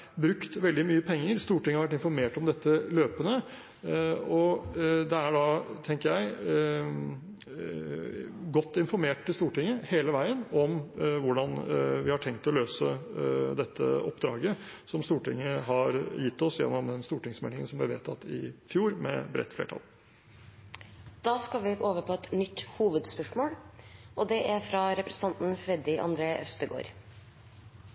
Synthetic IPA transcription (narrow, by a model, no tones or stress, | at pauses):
bɾʉkt̪ʋɛld̪ɪmyːəpʰɛŋːəɾst̪uːʈɪŋːəɑɾʋæʈ̬ɪnfɔɾmeːʈɔmd̪ɛt̪ːəløːpənə | ɔd̪ɛæɖɑt̪ʰɛŋkəjæɪ | ɡɔt̪ːɪnfɔɾmeːʈ̚t̪ːɪlst̪uːʈɪŋːəheːləʋæɪənɔmʋʊɖɑnʋɪhɑʈʰɛŋkt̪ɔløːsəd̪ɛt̪ʰːə̰ɔpːd̪ɾɑ̰ːɡə | sɔmst̪uːʈɪŋːəɦɑɾjɪt̪ːɔsjɛ̰nːɔmd̪ɛnst̪uːʈɪŋsmɛlɪŋənsɔmblɛʋḛːt̪ʰɑt̪ːɪfjuːɾmɛ̰bɾɛ̰t̪ːflḛːʈʰɑ̰l | d̪̥ɑːskɑlʋɪoːʋəpʰɔɛt̪nʏt̪ːhuːʋəd̪spœʂmoːlɔd̪ɛʔæɾfɾɑɾɛpɾɛsə̥n̩ɑnt̪n̩fɾɛd̪ɪʔɑ̰nd̪ɾeːʔœst̪əɡo̰ːɾ